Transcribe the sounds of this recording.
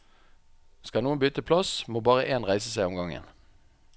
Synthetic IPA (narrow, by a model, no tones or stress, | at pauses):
skɑnuːənbyːt̪əpʰlɑsmoːbɑːʁəʔeːnʁæɪsəsæɪɔmɡɑŋə̰n